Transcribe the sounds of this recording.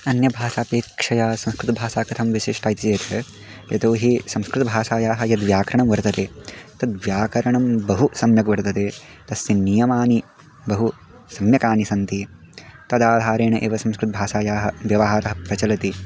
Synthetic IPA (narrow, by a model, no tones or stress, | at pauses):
ɐnjɐbʱaːsaːpeːkʂɐjaːsɐ̃mskɾut̪ɐbʱaːsaːkɐt̪ʰɐmʋiʃiːʂʈaːjt̪id͡ʒeːt̪ɐ | jɐ̰t̪oːɦisɐ̃mskɾut̪ɐbʱaːsaːjaːɦɐjɐd̪ʋjaːkɐɾɐɳɐmʋɐɾt̪ɐt̪eːt̪ɐd̪ʋjaːkɐɾɐɳɐmbɐɦusɐmjɐkʋɐɾt̪ɐt̪eː | t̪ɐsjɐnijɐmaːni | bɐɦu | sɐmjɐkaːnisɐnt̪i | t̪ɐd̪aːd̪ʱaːɾeːɳɐʔḛːʋɐsɐ̃mskɾut̪ɐbʱaːsaːjaːɦɐʋjɐʋɐɦaːɾɐɦɐpɾɐt͡ʃɐlɐt̪i